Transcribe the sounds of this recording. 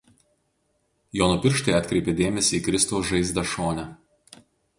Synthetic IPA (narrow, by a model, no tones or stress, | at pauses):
joːnʊpʲɪɾʃt̪ɐɪɐt̪ʲkɾʲɛɪpʲed̪ʲeːmʲɛsʲiːkɾʲɪst̪ɔʊsʒɐɪzʲd̪ɐʃoːnʲɛ